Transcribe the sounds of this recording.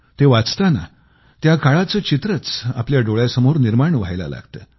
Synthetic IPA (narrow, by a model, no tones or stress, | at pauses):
t̪eʋat͡st̪ana̰ | t̪jakaɭat͡səːt͡ɕit̪ɾət͡sa̰pljaɖoɭjasəmoɾniɾmaɳʋajla̰la̰ɡt̪ə̰